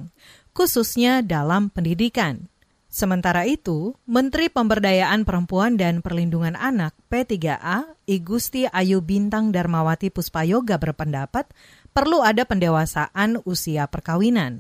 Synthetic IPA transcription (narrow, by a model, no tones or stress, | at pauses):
ŋ | kususɲadalampəndidikan | səmənt̪aɾait̪umənt̪ɾipəmbərdajaʔanpəɾəmpuandanpərlinduŋananak̚pet̪iɡaʔaiɡust̪iʔajubint̪aŋdarmawat̪ipuspajoɡabərpəndapat̪̚ | pərluadapəndewasa̰ʔanusiapərkawinan